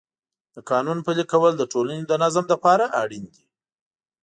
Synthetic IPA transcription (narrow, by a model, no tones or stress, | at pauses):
d̪̥əkɑnunpəlikawəld̪əʈʰolaned̪ənazamlapɑɾaʔaɽind̪i